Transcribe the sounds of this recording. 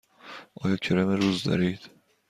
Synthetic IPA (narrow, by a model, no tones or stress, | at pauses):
ɒːjɒcʲʰeɾæmeɾuzd̪ɒ̰ɾiːd̪̥